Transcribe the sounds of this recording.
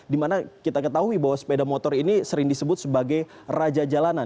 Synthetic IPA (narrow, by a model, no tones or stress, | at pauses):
dimanakit̪akət̪aɦuibaɦwasə̥pedamot̪ɔrinisəɾɪŋdisəbʊt̪̚səbaɡaj | rad͡ʒad͡ʒalana